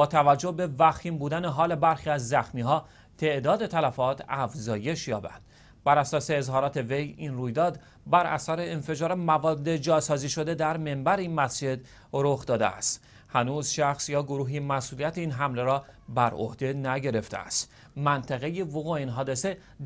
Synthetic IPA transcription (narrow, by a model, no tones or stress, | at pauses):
bɒːt̪ʰævæd͡ʒːohbe̞væxiːmbuːd̪æne̞ɦɒːle̞bæɾxiːæzːæxmiːɦɒː | t̪ʰe̞ʔd̪ɒːd̪e̞t̪ʰælæfɒːt̪ʰæfzɒːje̞ʃjɒːbæ̰nd̪̥ | bæɾæsɒːse̞ːzhɒːɾɒːt̪ʰe̞ve̞jinruːjd̪ɒːd̪ | bæɾʔæ̰sæɾeːnfe̞d͡ʒɒːɾemævɒːd̪ːe̞d͡ʒɒːsɒːziːʃo̞d̪e̞d̪æɾme̞mbæɾeiːnmæsd͡ʒe̞d̪ | ɾoxd̪ɒːd̪ḛæ̰st̪ | hænuːzʃæxsjɒːɡo̞ɾuːɦiːmæsʔuːlijæt̪ʰeiːnɦæmle̞ɾɒːbæɾo̰hd̪e̞næɟe̞ɾe̞ft̪ḛæ̰st̪ | mænt̪ʰæɣe̞jevoɣuiːnɦɒːd̪e̞se̞